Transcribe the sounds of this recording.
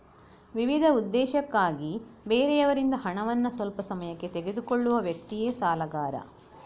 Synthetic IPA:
ʋiʋid̪ʱɐud̪ːɛːʃɐkːaːɡibeːɾɛjɐʋɐɾind̪ɐɦɐɳɐʋɐnːɐsʋɐlpɐsɐmɐjɐkːe̞t̪eɡe̞d̪ukoɭːuʋɐʋjɐk̚t̪ijeːsaːlɐɡaːɾɐ̰

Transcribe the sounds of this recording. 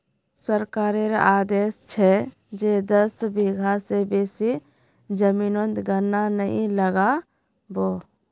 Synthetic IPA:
səɾkaːɾeɾaːd̪eːst͡ʃʰɛ | d͡ʒed̪əsbiɡʱasebeːsi | d͡ʒəminõnt̪ɡənːanəɦḭ̃ləɡa | boː

